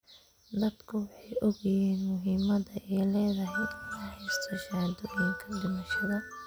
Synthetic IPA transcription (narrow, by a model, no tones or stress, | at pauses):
d̪ɐd̪kʰʊwɑħɑjɔɣɐjiːnmʊɦiːmɐdɐʔɛjlɛːðɐɦɛj̪ɑħɪst̪ʰɪʃaːd̪ʊjɛŋkʰɐd̪ʊmɐʃɐðɐ